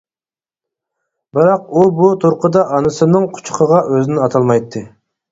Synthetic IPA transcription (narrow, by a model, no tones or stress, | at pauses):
bɨɾɑq̚ubut̪ʰuɾqʰəd̪ɑʔɑnɨsɨnɨŋqʰʊ̥t͡ʃʰqʰəʁɑʔøzɪnɪɑt̪ʰɑlˠmɑjt̪ʰːɨ